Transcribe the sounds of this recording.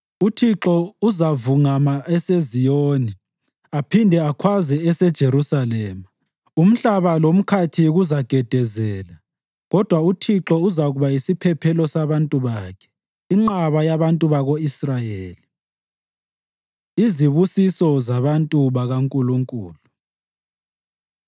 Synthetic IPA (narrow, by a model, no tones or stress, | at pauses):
utʰiǁɔuzavuŋamaʔɛsezijoni | apʰindʱɛakʰwazɛɛsɛd̥ʒ̥ʱeɾusalɛːma | um̩ɬaβalom̩kʰatʰiɣuzaɡ̥ʱɛd̥ʱɛzɛːla | ɣɔd̥ʱwautʰiǁɔuzaɣuβaisipʰɛpʰɛlɔsaβantʼuβaːkʰɛ̥ | iŋ͡ǁaβajaβantʼuβaɣoisrajeːli | iziβusisɔzaβantʼuβaɣaŋkʼuluŋkʼṵːlu